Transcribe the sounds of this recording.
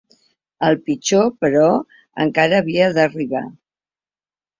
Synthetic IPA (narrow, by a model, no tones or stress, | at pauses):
əlˠpit͡ʃopəɾɔ | ə̰ŋkaɾəːβ̞iəðəriβa̰